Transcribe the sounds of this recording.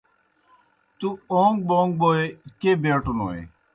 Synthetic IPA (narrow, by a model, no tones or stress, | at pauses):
t̪uːoːŋɡ̚bõːŋɡ̚boːeːkeːbẽːʈuno̰ːḛː